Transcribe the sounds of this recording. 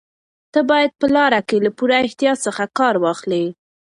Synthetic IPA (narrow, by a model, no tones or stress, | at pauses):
t̪əbɑjad̪̚pəlɑɾakelapuɾaɪht̪jɑsəxakɑɾwɑxli